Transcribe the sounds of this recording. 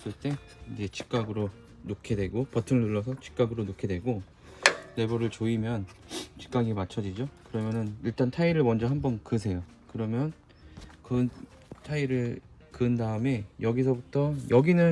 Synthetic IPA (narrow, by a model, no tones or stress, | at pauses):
sɯɭt͈e̞ | id͡ʑe̞t͡ɕʰi̥k͈aɡɯɾo | nokʰe̞dwe̞ɡopʌtʰɯŋɯɭnuɭːʌsʰʌt͡ɕʰi̥k͈aɡɯɾonokʰedwe̞ɡo | ne̞bʌɾɯɭt͡ɕoimjʌnt͡ɕʰi̥k͈aɡimat͡ɕʰʌd͡ʑid͡ʑokɯɾʌmjʌnɯniɭt͈antʰaiɾɯɭmʌnd͡ʑʌɦambʌnkɯsʰe̞jo | kɯɾʌmjʌn | kɯ | tʰaiɾɯɭ | kɯndaɯme̞jʌɡisʰʌbutʰʌjʔʌɡinɯn